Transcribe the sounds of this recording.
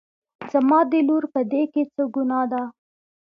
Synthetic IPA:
zamɑd̪əluɾpəd̪eket͡səɡunɑd̪a

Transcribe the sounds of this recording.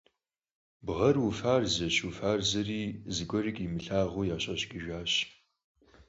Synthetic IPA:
bʁɐrwufaːrzɐɕufaːrzɐriːzɨɡʷɔrɪkʼimɨɬaːʁujaːɕʼɐɕɡʼɪʒʷᶣaːɕ

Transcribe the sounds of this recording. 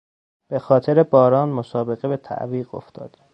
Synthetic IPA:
b̥e̞xɒːt̪ʰeɾebɒːɾɒːnmosɒːbe̞ɣebet̪ʰæ̰ʔviːɢo̞̰ft̪ʰɒ̰ːd̪̥

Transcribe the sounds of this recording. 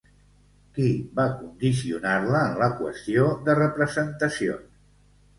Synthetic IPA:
kibakund̪isiṵnarləːnləkwə̰st̪ioðərəpɾəzənt̪əsio̰n

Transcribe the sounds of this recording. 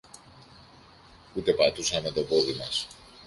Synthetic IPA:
ut̪e̞pɐt̪usɐme̞t̪o̞po̞ðimɐs

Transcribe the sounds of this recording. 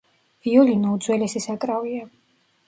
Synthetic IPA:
viɔlinɔud̪zwɛlɛsɛsakʼɾavia

